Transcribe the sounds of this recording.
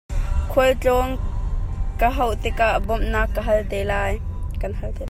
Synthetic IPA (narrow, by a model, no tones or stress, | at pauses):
kʰuəlt͡ɬɔŋ | kaɦɐwt̪ɪkaʔbɔmnaːkːəɦɐlt̪eːlaːjkɐnɦɐlt̪e